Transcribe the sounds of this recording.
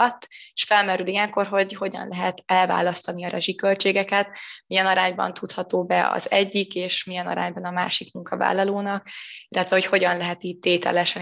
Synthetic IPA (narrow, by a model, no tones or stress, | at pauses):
ɒt̪ːeʃfɛlmɛɾylijɛŋko̞rɦo̞ɟho̞ɟɒ̰nlʔɛɦɛt̪ɛlva̰ːlɒst̪ɒniɒɾʔɛʒikø̞lt͡ʃeːɡɛkɛt̪mijɛnɒɾaːɲbɒ̰nt̪ut̪hɒt̪oːbɛɒ̰zɛɟːikeːʃmijɛnɒ̰ɾa̰ːɲbɒnɒma̰ːʃikmuŋkɒva̰ːlːɒloːnɒk̚ilːɛt̪vɛho̞cho̞ɟɒnlɛɦɛt̪iːt̚t̪eːt̪ɛ̰lɛʃɛn